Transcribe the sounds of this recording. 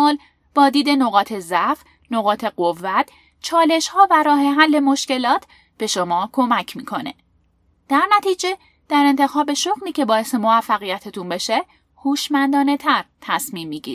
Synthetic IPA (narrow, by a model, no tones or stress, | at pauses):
ɒːl | b̥ɒːd̪iːd̪e̞no̞ɣɒːt̪ʰe̞zæf | no̞ɣɒːt̪ʰe̞ɢovːæt̪ʰ | t͡ʃʰɒːle̞ʃhɒːvæɾɒːɦe̞ɦælːe̞mo̞ʃce̞lɒːt̪ʰ | b̥e̞ʃo̞mɒːkʰo̞mæcʰmiːkʰo̞ne̞̰ | d̪̥æɾnæt̪ʰiːd͡ʒe̞ | d̪̥æɾe̞nt̪ʰe̞xɒːbe̞ʃoɣliːcʰe̞bɒːjesemo̞væfːæɣijæt̪ʰet̪ʰunbe̞ʃe | huːʃmænd̪ɒːne̞t̪ʰæɾt̪ʰæsmiːmːiːɟḭɾ